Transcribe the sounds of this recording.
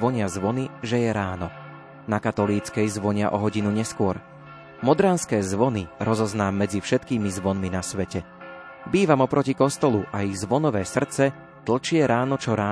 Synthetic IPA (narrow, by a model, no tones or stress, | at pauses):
ʋɔɲɪazʋɔniʒɛjɛɾaːnɔ | nakat̪ɔliːt͡skɛjzʋɔɲɪaʔɔɦɔɟinuɲɛskʊɔɾ | mɔd̪ɾaːnskɛːzʋɔniɾɔzɔznaːmːɛd͡zifʃɛt̪kiːmizʋɔnminasʋɛcɛ | biːʋamɔpɾɔcikɔst̪ɔluʔaiɣzʋɔnɔʋɛːsr̩t͡sɛ | t̪l̩t͡ʃɪɛɾaːnɔt͡ʃɔɾaː